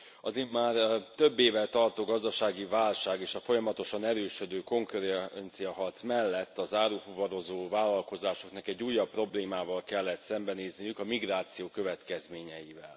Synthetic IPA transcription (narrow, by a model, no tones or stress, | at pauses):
ɒzimːaːrt̪ø̞bːeːvɛt̪ɒrt̪oːɡɒzd̪ɒʃaːɡivaːlʃaːɡeːʃɒfo̞jɒmɒt̪o̞ʃɒnɛɾøːʃød̪øːko̞ŋkɾnt̪sijɒɦɒrt̪smɛlːɛt̪ːɒzaːɾufuvɒɾo̞zoːvaːlːɒlko̞zaːʃo̞knɒkɛɟːuːjːɒpːro̞bleːmaːvɒlkɛlːɛt̪sɛmbɛneːznijykɒmiɡraːt̪sijoːkøvɛt̪kɛzmeːɲɛjivɛl